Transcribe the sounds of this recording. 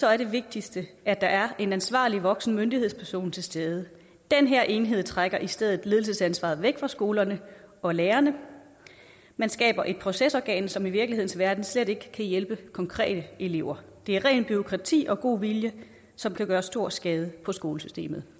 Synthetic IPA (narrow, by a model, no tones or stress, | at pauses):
sɒ̽æɐɾ̥e̝ʋe̝ɡ̥̚d̥isd̥əʔæd̥ɑ̈ʔæɐʔe̝nænsʋɑ̰̈ːliʋɒ̽ɡ̥sn̩mønd̥iheð̰ˠspʰæɐso̝̰ːnt͡sʰe̝lsd̥eːð̞ˠə | d̥enɦeɐ̰ʔe̝nɦe̝ð̞̰ˠt͡sʰʁaɡ̥ɐʔisd̥eð̰ˠð̩ˠle̝ðˠl̩səsænsʋɑ̈ːð̩ˠʋeɡ̥fʁɑ̈sɡ̥o̝ːlɐnəɒ̽leːɐnə | mænsɡ̥ɛ̰ːb̥ɐʔe̝d̥̚pʰʁo̝sesɒɡ̥ɛ̰ːnsɒ̽miʋiɐɡ̥lihe̝̰n̩sʋæɐd̥n̩sleɾ̥e̝ɡ̥əkʰæjelb̥əkʰɒ̽ŋkʰʁɛ̰ːd̥əʔe̝le̝ʊ̰ɐ | d̥e̝æɐʁɛ̰ːnb̥yʁokʰʁɑ̈t͡sʰḭːʔɒ̽ɡ̥o̝̰ːʋiljə | sɒ̽mkʰæɡ̥ɶːɐsd̥o̝ɐ̰sɡ̥ɛːð̞ˠəpʰɒ̽sɡ̥o̝ːləsysd̥e̝̰ːmð̩ˠ